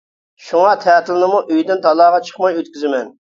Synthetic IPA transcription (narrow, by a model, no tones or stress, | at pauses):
ʃuŋɑt̪ʰæːt̪ʰɪlˠnɪmuʔøjd̪ɪnt̪ʰɑlˠɑːʁɑt͡ʃʰə̥χmɑjøt̪̚kʲyzɪmɛn